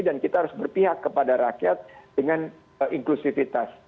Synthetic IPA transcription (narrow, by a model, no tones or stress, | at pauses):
idankit̪aɦaɾʊsbərpiɦakːəpadaɾakiat̪̚d̥əŋan | ʔiŋklusifit̪as